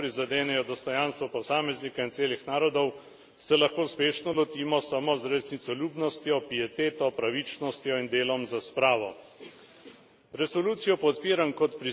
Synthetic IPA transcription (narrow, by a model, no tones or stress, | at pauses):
pɾizad̪eːnɛjɔd̪ɔst̪ɔjanst̪ʋɔpɔsaːmɛznikaint̪seːlixnaːɾɔd̪ɔw | sɛlaxkoːuspeːʃnɔlɔt̪iːmɔsamozɾesnit̪sɔljuːbnɔst̪jɔpijɛt̪eːt̪ɔpɾaʋit͡ʃnɔst̪jɔind̪eːlɔmzaspɾaːʋɔ | ɾɛsɔluːt̪sijɔpɔt̪piːɾankɔt̪pɾi